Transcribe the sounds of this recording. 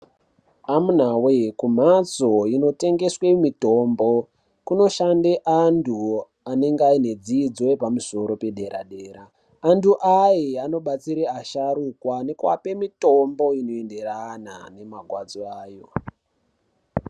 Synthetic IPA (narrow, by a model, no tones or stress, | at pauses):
amun̤awekum̤at͡so̞ino̞te̞ŋɡe̞swe̞mito̞ːmbo | kuno̞ʃandeʔandʰu | ane̞ŋɡeaine̞d͡zid͡zoepamuso̞ɾo̞pe̞ɗe̞ɾa̰ɗe̞ːɾaː | ntʰuʔajeano̞ɓat͡siɾeaʃaɾukwane̞kwa̰pe̞mito̞mbo̞ino̞ende̞rana̰ne̞maɡʱwad͡zoaːjo̞